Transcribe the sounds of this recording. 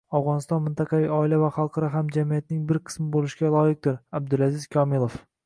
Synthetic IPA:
avʁɒnɪst̪ɒnmɪnt̪ʰɑqʰɑvijɒɪlavaχɑlˠqʰɑɾɒɦamd͡ʒamijat̪nɪŋbɪɾqʰɨ̥smɪbolɪʃɡʲalˠɒjɪq̚d̪ɪɾab̚d̪ɪlazɪz̥kʰɒmɪlˠof

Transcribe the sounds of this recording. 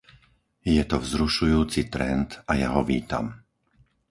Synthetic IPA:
jɛt̪ɔvzɾuʃujuːt͡sit̪ɾɛnt̪ajaɦɔʋiːt̪a̰m

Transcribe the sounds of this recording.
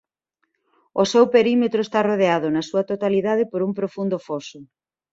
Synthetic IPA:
osewpeɾimet̪ɾoest̪aroð̞eaðʊnɐsuɐt̪ot̪aliðað̞ɪpoɾumpɾofund̪ofosʊ

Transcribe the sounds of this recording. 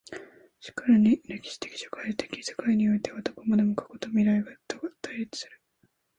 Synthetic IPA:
ɕi̥kaɾaɲ̟iɾe̞kʲi̥ɕi̥t̪e̞̥kʲi̥ɕḁkait̪ekʲi̥sḁkaiɲ̟io̞it̪e̞βat̪o̥ko̞mad̪e̞mokʰḁko̞t̪o̞mʲiɾaiɡat̪ːoɡat̪aiɾit͡sɨ̥sɨ̥ɾɯ̟

